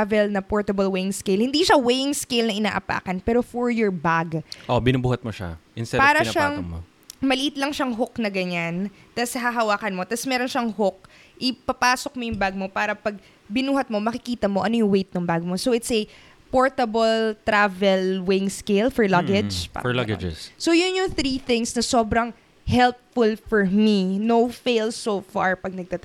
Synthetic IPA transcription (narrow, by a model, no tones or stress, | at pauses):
avɛlnɐpoɹt̪ɐbɐlwɛjɪŋskejlhɪnd̪iːʃɐwɛjɪŋskejlnɐʔɪna̰ːʔɐpa̰ːkɐnpɛːɾo̞fɔɹjɔɹbaɡʔobɪnubuːhɐt̪̚moʃa̰ʔɪnst̪ɛpaːɾɐʃaŋo̰ | mɐlɪʔɪt̪lɐŋʃaŋɦoknɐɡɐɲant̪asɐɦɐɦɐwaːkɐnmo̞t̪asmɛːɾo̞nʃɐŋɦok̚ | ʔɪpɐpaːsok̚mojʊŋbaɡ̚mo̞paːɾɐpɐɡ̚ | bɪnuːhɐt̪̚mo̞mɐkɪkiːt̪ɐmo̞ʔɐnojʊŋwejt̪̚nʊŋbaɡmosowɪt̪sɐ | poɹt̪ɐbɐlt̪ɾavɛlwɪŋskejlfɔɹlɐɡɛd͡ʒpa̰ɐɡd͡ʒ̰ssojʊnjʊŋθɾiθɪŋsnɐso̞ːbɾɐŋ | hɛlpfʊlfɔɹminowfejlsofa̰ɹpɐɡ̚nɐɡ̚t̪at̪